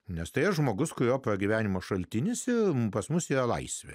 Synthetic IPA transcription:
nʲɛst̪ɐɪɐʒmoːɡʊskʊɾjoːprɐɡʲiʋʲæːnʲɪmɐʃɐlʲt̪ʲɪnʲɪsɪpɐsmʊsiːrɐlˠɐɪsʲʋʲḛ

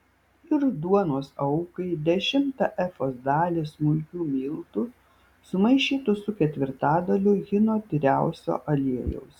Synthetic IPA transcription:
ɪɾd̪uɔnoːsɐʊkɐɪd̪ʲɛʃʲɪmt̪ɐʔɛfoːsd̪ɑːlʲesmʊlʲkʲuːmʲiːlˠt̪ʊ | sʊmɐɪʃʲiːt̪ʊsʊkʲɛt̪ʲʋʲɪɾt̪ɑːd̪ɐlʲʊɡʲɪnoːt̪ʲɾʲæˑʊsʲo̰ːʔɐlʲiɛjɛ̰ʊs

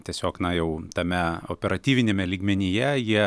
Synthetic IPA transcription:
t̪ʲiɛsʲoːknɐjɛʊt̪ɐmʲɛo̰pʲɛɾɐt̪ʲiːʋʲɪnʲeːmʲɛlʲiːɡmʲɛnʲɪjɛjiɛ

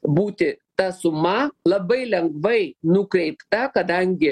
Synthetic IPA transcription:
buːt̪ʲɪt̪ɐsʊmɐlˠɐbɐɪlʲɛŋɡʋɐɪnʊkɾʲɛɪpt̪ɐkɐd̪ɐŋʲɡʲɪ

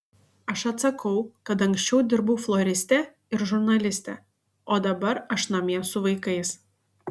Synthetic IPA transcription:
ɐʃɐt̪sɐkɐʊkɐt̪ɐŋʲksʲt͡ʃʲɛʊd̪ʲɪɾbɐʊflˠɔɾʲɪsʲt̪ʲɛ | ɪɾʒʊɾnɐlʲɪsʲt̪ʲɛ̰ | oːd̪ɐbɐɾɐʃnɐmʲiɛsʊʋɐɪkɐɪs

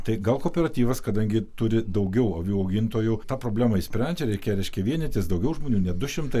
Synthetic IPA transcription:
t̪ɐɪɡɐlˠkoːpʲɛɾɐt̪ʲiːʋɐskɐd̪ɐŋʲɡʲɪt̪ʊɾʲɪd̪ɐʊɡʲɛʊɐʋʲjuːɐʊɡʲɪnt̪oːjut̪ɑːpɾoːbʲlʲæːmɐɪsʲpʲɾʲɛnʲd͡ʒʲɛɾʲɛɪkʲeːjɛɾʲɛɪʃʲkʲɛʋʲiɛnʲɛt̪ʲɪsd̪ɐʊɡʲɛʊʒmoːnʲuːnʲɛd̪ʊʃʲɪmt̪ɐɪ

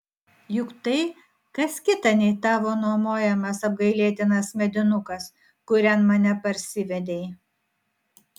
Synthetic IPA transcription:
jʊkt̪ɐɪ | kɐskʲɪt̪ɐnʲɛɪt̪ɑːʋoːnuɔmoːjɛmɐsɐb̚ɡɐɪlʲeːt̪ʲɪnɐsmʲɛd̪ʲɪnʊkɐs | kʊɾʲɛnmɐnʲɛpɐɾʲsʲɪʋʲɛd̪ʲej

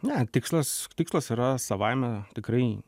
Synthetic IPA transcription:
nʲæt̪ʲɪkslˠɐst̪ʲɪkslˠɐsiːɾɐsɐʋɐɪmʲɛt̪ʲɪkɾɐɪ

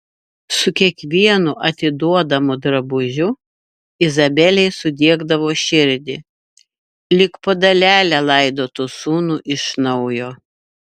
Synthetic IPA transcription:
sʊkʲiɛkʋʲiɛnʊʔɐt̪ʲɪd̪uɔd̪ɐmʊd̪ɾɐbʊʒʲʊ | ɪzɐbʲɛlʲɛɪsʊd̪ʲiɛɡd̪ɐʋoːʃʲɪɾʲd̪ʲɪ | lʲɪkpod̪ɐlʲæːlʲælˠɐɪd̪oːt̪uːsuːnuʔɪʃnɔʊjoː

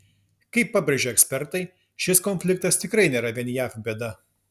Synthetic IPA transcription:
kɐɪpːɑːbʲɾʲeʒʲoːɛksʲpʲɛɾt̪ɐɪ | ʃʲɪskonʲfʲlʲɪk̚t̪ɐst̪ʲɪkɾɐɪnʲeːɾɐʋʲiɛnʲjæːfbʲɛd̪ɐ

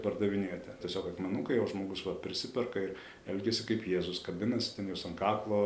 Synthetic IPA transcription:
pɐrd̪ɐʋʲɪnʲeɛt̪ʲɪtʲiɛsʲoːkɐkmʲɛnʊkɐɪjɛʊʒmoːɡʊsʋɐpʲɾʲɪsʲɪpʲɛrkɐɪr | ɛlʲɡʲɛsʲɪkɐɪpjeːzʊskɐbʲɪnɐsʲɪ̥t̪ʲɛnjɛʊsɐŋkɑːklˠoː

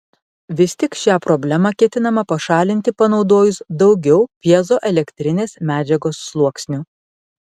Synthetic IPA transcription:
ʋʲɪsʲt̪ʲɪkʃʲæːpɾɔbʲlʲɛmɑkʲiɛt̪ʲɪnɐmɐpɐʃɑːlʲɪnʲt̪ʲɪpɐnɒʊd̪oːjʊsd̪ɒʊɡʲɛʊpʲiɛzoːʔɛlʲɛkʲt̪ʲɾʲɪnʲeːsmʲæːd͡ʒʲɛɡoːsːlˠuɔksʲnʲu

